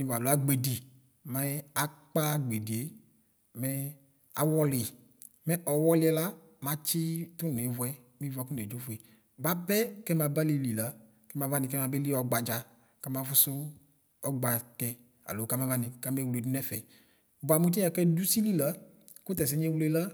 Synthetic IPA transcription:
ni˨va˨lo˨˦a˦ɡ͡be˨di˨ | mɛ˦a˦k͡pa˦ɡ͡be˨di˨e˦ | mɛ˦ | a̰˨wɔ˦lɪ˨ | mɛ˦ʔɔ˨wɔ˦lɪ˦ɛ˦la˦ | ma˦t͡ʃɪ˦tu˦n˨e˨vu˨ɛ˦ | mĩ˦va˨˦ku˦n˨e˨d͡ʒo˦fu˨e˨ | ba˦bɛ˦kɛ˦ma˨ba˦li˨li˨la˦ | kɛ˦mã˨va˦nĩ˨k̬ɛ˦ma˨be˦li˦ɔ˨˦ɡ͡ba˨d͡ʒa˨ | ka˦ma˨vu˦sʊ˦ | ɔ˦ɡ͡ba˨kɛ˨ | a̰˨lo˨ka˦mã˦va˦nɪ̃˨ka˦me˦wle˨du˦nɛ˦fɛ̰˨ | ba˨mũ˦t̬i˦a˨kɛ˦du˦si˦li˦la˦ | ku˦t̪̬ɛ˨s̬ɛ˦ɲe˦we˦la˦

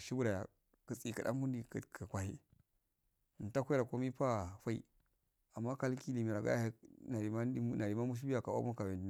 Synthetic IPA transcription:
ʃi˦bu˦ɾa˨ja̰˨ | kə˨t͡si˨ka˨da̰˦mku˦ndi˨kkʰə˨kʷa˨hi˦˨ | ta˦kʷɾa˨ko˦mi˦pa˦fa˦ḭ˦˨ | a˨mːa˦ka˦lki˦li˨mi˨ɾa˨ɡa̰˦ja̰˦ha˦na˨ɾi˨ma˦na˨ɾi˨ma˦mu˦ʃ̬i˦bi˦ja˨ka˨a̰˦ma˦ka˨we˨ndi˨n˦

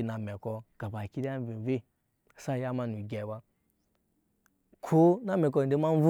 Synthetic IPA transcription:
na˨mɛ˨kɔ˦ɡ̥a˨ba˨ki˦da˦m˦vi˨ve˦˨ | sa˦˨ja˦ma˦nu˨ɡʲɛ˨ba˦ | kʰo˦na˦me˨k̬ɔ˦˨de˦ma˦n˦vu˦

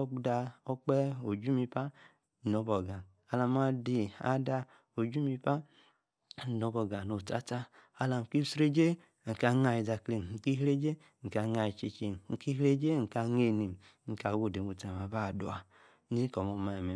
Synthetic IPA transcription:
ɔ˦k͡pda˧o˦k͡pɛ˦o˨d͡ʒu˦mi˧pa˦˨ | no˨˦bɔ˨ɡa˨ | a˨la˨m˦a˦di˨˧a̰˦da˧ | o˨d͡ʒu˦mi˧pa˦˨ | no˨˦bɔ˨ɡa˨no˨ta̰˦ta˦a˦la˨m˨ki˦sɾe˦d͡ʒe˦ | ŋ̩˨ka˧˦ŋa˧˨ji˨da˧˨kle˨n̩˨ki˦ɦɾe˦d͡ʒe˦ | ŋ̩˨ka˧ŋa˧˨i˨t͡ʃe˧t͡ʃe˨n˨ŋ̩˨ki˦ɦɾe˦d͡ʒe˦ŋ̩˨ka˧ŋe˦˨ni˨m˨ | ŋ̩˨ka˨wo˦˨de˨mo˨ta˨m˨a˨ba˦˨du˨a˨˦ | i˦ko˨mo˨ma˨e˨me˨

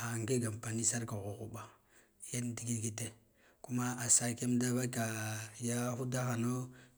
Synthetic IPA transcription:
a˨ŋɡe˦ɡa˨m˨pa˨ni˦sa˦ɾka˨ɣu˨ɣu˨ɓa˨ | ja˦n˦di˦ɡi˦ɡi˦te˦ | ku˦ma˦a˨sa˦ke˦m˦da˦ba˦ka˨ja˦xu˦da˦xa˨no˦

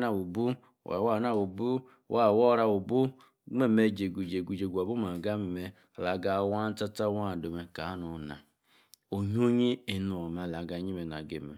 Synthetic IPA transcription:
na˦wu˨bu˦ | wa̰˨wa˦˨na˦wu˨bu˦ | wʔa˦˨wɔ˦ɾa˦wo˨bu˦ | ŋ͡me˦˨me˨d͡ʒe˨ɡu˨d͡ʒe˨ɡu˨d͡ʒe˨ɡu˨a˨bu˦ma˨ɡa˦me˨me˦˨ | la˨ɡa˨wa˦n˦ta˦ta˦wa˦˨do˨me˨ka˨˦nu˨na̰˨ | o˨ɲ˦o˦ɲi˦e˨nu˨o˨ma˨la˨ɡa˨ɲi˦me˨na̰˨ɡe˨mḛ˨

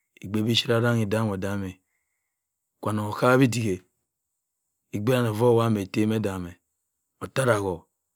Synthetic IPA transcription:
i˨ɡ͡be˨˦bi˦ʃi˦ɾa˦ɾa˦ŋi˨da˦m˨o˨da˦me˨ | kʷa˨no˨o˨ka˦bi˦di˨ɡe˨ | i˨ɡ͡be˦ɾa˦˨no˨vo˦˨wa˦me˨te˦me˦da˨me˨ | o˨ta˦ɾa˨ɣo˨

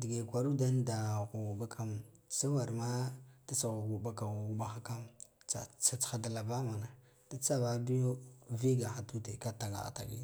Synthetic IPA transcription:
di˨ɡe˨kʷa˨ɾu˦da˦n˦da˨ɣu˨ba˦kʰa˦msa˦wa˨ɾma˦ta˦t͡sa˨ɣu˨ɣu˨ba˦ka˨u˦ɓa˦xa˦ka˦mt͡sa̰˨t͡sa˨t͡sxa˨da˨la˨ba˦ma˨na˨ | ta˦t͡sa˦ba˦bi˦jo˦vi˦ɡa˨xa˨tu˦te˨ka˦ta˨ŋɡa̰˨a̰˨ta̰˨ɡḭ˦

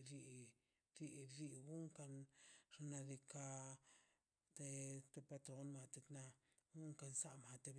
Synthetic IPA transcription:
ɾi˧ | ɾi˧ɾi˧ɡu˦ŋka˧nʐ̥a˧na˧d̪i˧ka˧ | t̪e˧t̪e˧pa˧t̪ɾo˦nma˧t̪e˧kna˧ | ɡu˦ŋka˧nsa˦ma˧t̪e˧b

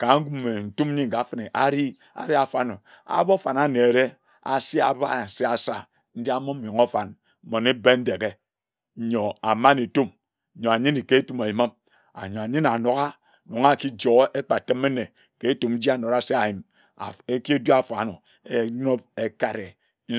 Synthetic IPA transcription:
ka˨˦ŋ̩˦ɡu˦mːe˨n̩˨tu˦m˦ɲi˦ŋ̩˨ka˨˦fe˦˨ne˨ʔa˦ɾi˦ | a̰˨ɾi˦a˨fa˨no˨ | a̰˦bo˦fa˨na˨ne˨e˨ɾe˦ | a̰˨si˦a˨ba˦˨se˦a˨sa˦ | n̩˦di˦a˦mo˦m̩˦jo˨ŋo˦fa˨n̩˦ | mo˨ne˦be˦n̩˦de˨ɡe˦˨ | ɲo˨a˨ma˦ne˨tu˦m̩˨ | ɲo˨a˨ɲi˦ni˨ke˦tu˦ma˨i˨ma˦m | a̰˨ɲo˨a˨ɲi˦na˨no˨ɣa˦˨ | no˨ŋa˦˨ki˦d͡ʒo˨ɣʔe˦k͡pa˨tɨ˦me˦ne˨ | ke˨˦e˦tu˨m̩˦d͡ʒi˦a˦˨no˨ɾa˦se˦a˨ji˨m̰˨ | e˦ki˦e˦du˦a˦fa˨no˨ | e˦e˨˦o˦p̚e˦ka˦ɾe˨˦

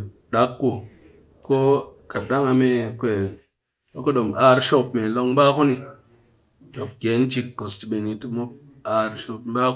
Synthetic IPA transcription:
ɗa˨˦kːu˨ | ko˦ | ka˨da˦ŋa˧me˧kʷe˨ | o˦ko˦ɗo˨ma˦˧ɾʃo˦˧pme˨lo˧ŋ˦ɓaː˦ku˦ni˧ | to˨p̚ɡ̥ʲe˨˦n˦t͡ʃi˧kːo˨sti˧˨ɓe˨ni˧ti˦mo˦ | a˧ɾʃo˧pm˦ɓa˦k

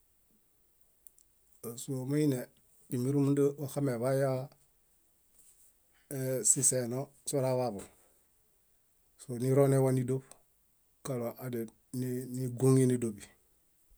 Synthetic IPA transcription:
a˨su˦o˨ma˦i˦ne˨ | di˨mi˦ɾu˦mundə˦wa˨xa˦me˨βa˦ja˦ | esise˨no˦ | so˦ɾa˦βa˨bo˨ | so˨ni˦ɾo˦ne˦wani˦do˦b | ka˨lo˨ʔa˨de˨ | nniɡu˦ŋi˦ni˦do˨bi˨

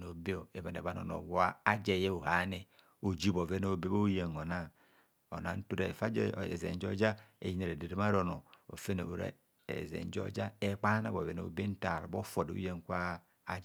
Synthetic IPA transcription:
no˨be˦o˨e˨ba˨n˨e˨βa˨˦no̰˨no̰˨wa˦a˦d͡ʒe˨je˦u˨ha˨˦ne˦ | o˨d͡ʒi˦˨bo˨ve˦no˦˨be˦bo˦u˦je˨ŋo˨na˦ | o̰˨na̰˨˦n̩˦tu˦ɾe˨fa˦˨ḛ˨zḛ˨n˦d͡ʒo˦d͡ʒa˦ḛ˨ji˦ne˨ɾe˨de˨ɾe˦m˦a˦ɾo˨no˨o̰˨fe˦no̰˨u˨ɾḛ˦˨ | ḛ˨zḛ˨n˦d͡ʒo̰˦d͡ʒa˦e˦k͡pa˦na̰˦bo˨ve˨no̰˨be˦n̩˦ta˨ɾo˨bo˦fo˨do˨˦je˦ŋ˨kʷaː˦ | d͡ʒ

